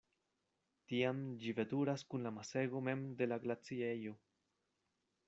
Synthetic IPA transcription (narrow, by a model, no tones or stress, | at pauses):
tiamd͡ʒive̞duɾaskunlamase̞ɡo̞me̞mde̞laɡlat͡siejo̞